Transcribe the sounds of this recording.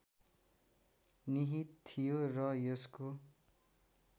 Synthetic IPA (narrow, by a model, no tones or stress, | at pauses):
niɦit̪t̪ʰːijorʌjʌsko